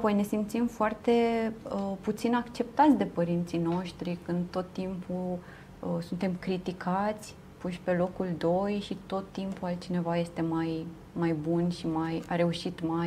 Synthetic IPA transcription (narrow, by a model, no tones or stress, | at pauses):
apo̞jne̞simt̪simfoart̪e̞əput̪sinakt͡ʃe̞pt̪at̪sʲd̪e̞pəɾint̪sijno̞ʃt̪ɾikɨnd̪t̪o̞t̪ːimpu | əsunt̪e̞mkɾit̪ikʰat̪sʲ | puʃpe̞lo̞kuld̪o̞jʃit̪o̞t̪ːimpualt̪̚t͡ʃine̞vaje̞st̪e̞maj | majbunʃimajaɾe̞uʃit̪maj